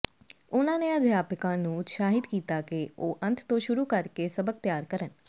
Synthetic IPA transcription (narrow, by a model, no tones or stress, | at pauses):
ʊnãːneːəd̪ʱjaːpɪkãːnũːt̪ʃaːɦɪt̪kiːt̪aːkeoːʔə̃nt̪ʰt̪õːʃʊɾuːkəɾkeːsəbək̚t̪jaːɾkəɾən